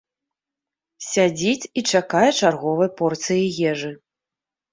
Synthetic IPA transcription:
sʲad͡zʲit͡sʲit͡ʂakajɛt͡ʂarɣɔvɐjpɔrt̪sɨjijɛʐɨ

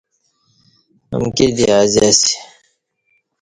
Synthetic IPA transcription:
ə̰mked̪iazasi̥

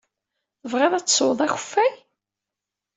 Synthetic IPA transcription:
θəvʁeðˤæt͡sːsˤoðˤæçə̥fːæj

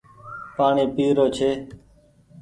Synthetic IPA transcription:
paːɳiːpiːɾoːt͡ʃʰeː

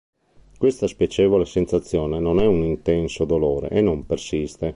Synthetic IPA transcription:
kwest̪aspjɛt͡ʃɛːvolesensat̪sːjɔːnenonɛunint̪ɛnsod̪oloːɾḛʔenːompersist̪e

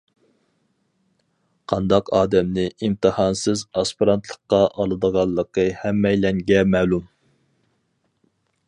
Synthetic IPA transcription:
qʰɑnd̪ɑqɑːd̪ɛmnɪʔimt̪ʰɨhɑnsɨzɑspiɾɑnt̪ʰlˠəqːɑʔɑlˠɨd̪əʁɑlˠːəqʰəhɛmːɛjlɛŋɡʲɛmɛːlum

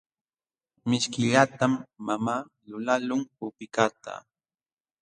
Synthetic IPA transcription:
mɪʃkɪʎat̪amːamaː | lʊlalʊŋpʊpɪkat̪a̰

